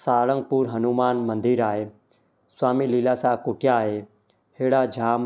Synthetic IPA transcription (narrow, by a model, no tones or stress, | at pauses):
saːɽə̃ŋɡ̚puːɾɦənumaːnmə̃nd̪iɾaːɦeː | swaːmiːliːlaːsãːkʊʈjaːɦeː | heːɽaːd͡ʒʱaːm